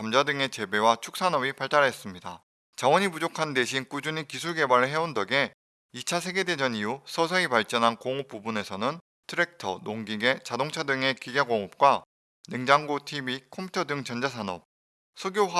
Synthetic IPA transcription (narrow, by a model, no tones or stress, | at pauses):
amd͡ʑadɯŋe̞t͡ɕe̞be̞wat͡ɕʰu̥k̚s͈ʰanʌbipaɭt͈aɾes͈ɯmɲida | t͡ɕawʌɲipud͡ʑokʰande̞ɕʰink͈ud͡ʑuɲikisʰuɭɡe̞baɾɯɭɦe̞ondʌɡe̞ | it͡ɕʰasʰe̞ɡe̞de̞d͡ʑʌniusʰʌsʰʌipaɭt͡ɕ͈ʌnɦankoŋop͈̚ubune̞sʰʌnɯn | tʰɯɾe̞k̚tʰʌ̰noŋɡiɡe̞t͡ɕadoŋt͡ɕʰadɯŋe̞kiɡaɡoŋop̚k͈wa | nɯŋd͡ʑaŋɡotʰibikʰompʰu̥tʰʌdɯŋt͡ɕʌnd͡ʑas̬ʰanʌ̰p̚ | sʰoɡjoɦa